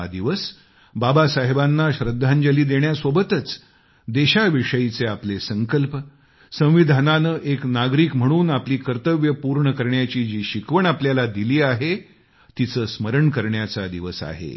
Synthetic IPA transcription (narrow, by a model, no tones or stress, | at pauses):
d̪iʋəs | babasaɦebanːaɕɾəd̪ʱːãɲd͡ʑəliːd̪eɳjasʋobət̪ət͡s | d̪eɕaʋiʂəit͡seaplesəŋkəlp | sə̃w̃ʋid̪ʱananəʔeknaɡɾiːkm̤əɽ̃uːnapliːkəɾt̪əʋjəpuɾɳəkəɾɳjat͡ɕiːd͡ʑiːɕikʋəɳapljalad̪iliːaɦe | t̪it͡səːsməɾəɳkəɾɳjat͡sad̪iʋəsa̰ɦḛ